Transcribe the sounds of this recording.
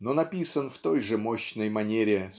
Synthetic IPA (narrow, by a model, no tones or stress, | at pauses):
nonɐpʲisənft̪o̞jʐɨmo̞ɕnəjmɐnʲeɾʲɪ